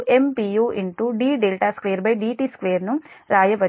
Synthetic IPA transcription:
ʔempiːjuːʔiɳʈuɖiːɖelʈaːskʋeːɐɾbɐjɖiːʈiːskʋeːɐɾnuɾaːjɐʋɐ

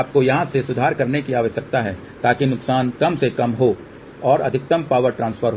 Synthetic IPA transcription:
p̚kojɐɦãsesʊd̪ʱaːɾkɐɾnekiaːʋəʃɐk̚t̪aɦɛː | t̪aːkinʊksaːnkɐmsekɐmɦo | ɔːɾɐ̰d̪ʱɪk̚t̪əmpaːʋəɾʈɾãːnsfʰəɾɦ

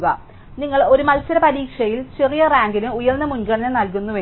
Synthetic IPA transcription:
ɣɐ | niŋːɐɭo̞ɾumɐlsɐɾɐpɐɾiːkʂɐjilt͡ɕe̞rijɐraːŋɡinumujɐrnːɐmunɡɐɳɐnɐnɐlk̬unːuʋeː

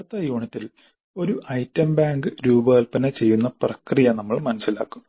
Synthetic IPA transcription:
ɐt̪ːɐjuːɳɐtːil | o̞ɾuʔɐjtːɐmbaːŋɡɨɾuːbɐɣɐlpɐnɐt͡ɕe̞jːunːɐprɐkrijɐnɐmːɐɭmɐnɐsila̰ːkːu̥m

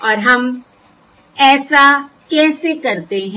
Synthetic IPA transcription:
ɔːɾɦɐm | ɛːsa | kɛːsekɐɾt̪eɦɛ̃

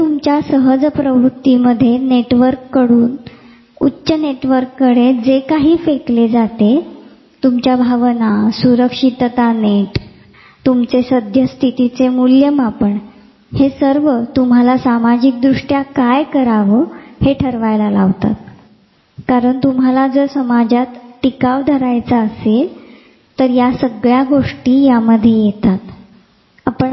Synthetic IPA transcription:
t̪umt͡ɕjasəɦəd͡zpɾəʋɾut̪ːiməd̪ʱːjeneʈʋəɾkːəɽuːn | utːɕəneʈʋəɾkːəɽed͡zekaɦiːfekled͡zat̪e | t̪umt͡ɕjabʱaʋnasuɾəkʂit̪t̪aneʈ | t̪umt͡sesəd̪ʱjəst̪ʰit̪it͡semuljəmapəɳ | hesəɾʋət̪umɦalasamad͡ʑik̚d̪ɾuʂʈjakajkəɾaʋəheʈʰəɾʋajlalaʋt̪a̰t̪̚ | kaɾəɳt̪umɦalad͡zəɾsəmad͡ʑat̪ʈikaʋd̪ʱəɾajt͡saəsel | t̪əɾjasəɡɭjaɡoʂʈiːjaməd̪ʱjejet̪at̪ | apəɳ

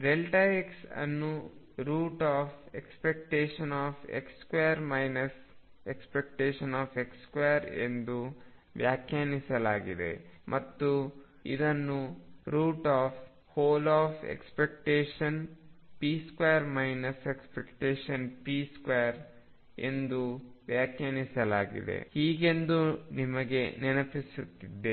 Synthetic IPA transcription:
ɾelʈaeksɐ̰nːu | ɾuːʈaːfḛkspek̚ʈeːʃɐnaːfḛkskwejɐɾmɐjnɐs | ekspek̚ʈeːʃɐnaːfekskwejɐɾḛnd̪u | ʋjaːkʰjaːnisɐla̰ːɡid̪e̞̰mʔɐt̪ːu | id̪ɐnːuɾuːʈaːf | hoːlaːfpḛkspek̚ʈeːʃɐnpiːskwejɐɾmɐjnɐsekspekʈeːʃɐnpiːskwejɐɾ | ḛnd̪uʋjaːkjaːnisɐlaːɡḭd̪ḛhiːɡe̞nd̪unimɐɡe̞nɛnɐpisut̪ːid̪ːe

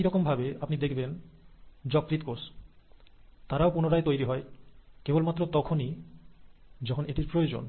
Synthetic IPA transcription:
iɾɔkombʱabeapnid̪ekʰben | d͡ʑɔkːɾit̪̚kos | t̪aɾaopunoɾaet̪ojɾiɦɔekebolmat̪ːɾot̪ɔkʰoni | d͡ʑɔkʰoneʈiɾpɾojod͡ʑo̰n

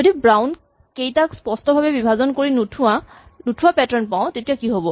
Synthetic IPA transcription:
zodibɹawn | kejtakspɔstɔbʱabɛbibʱazɔnkoɹinutʰua | nutʰuapɛtɔɹnpaʊ̃tetijakiɦobɔ

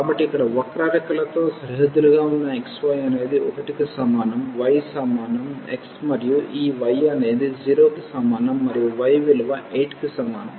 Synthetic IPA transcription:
kaːbɐʈːiikːɐɽɐʋɐkɾaːɾɐkɐlɐt̪o̞ːsɐɾiɦɐd̪ːuɾuɡaːunːɐeksʋɐjɐne̞ːd̪iɔkɐʈikisɐmaːnɐmʋɐjsɐmaːnɐmḛksmɐɾijuʔiːʋɐjɐne̞ːd̪id͡ʒiːɾoːkisɐmaːnɐmːɐɾijuʋɐjʋiluʋɐʔeːʈkisɐmaːnɐm

